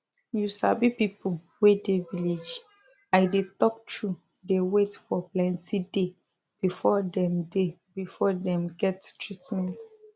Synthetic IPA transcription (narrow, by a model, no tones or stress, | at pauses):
jusabipipu | wedeviled͡ʒ | aɪdetɔk̚tʰu | dewetfɔplɛ̃ntʰide | b̥ifɔdɛ̃mdebifɔdɛ̃mɡɛttɹitmɛ̃nt